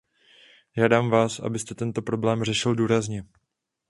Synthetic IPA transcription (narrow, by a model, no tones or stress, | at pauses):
ʒaːdaːmvaːsʔa̰bɪst̪ɛt̪ɛnt̪o̞pɾo̞blɛːmr̝ɛʃɪlduːɾazɲɛ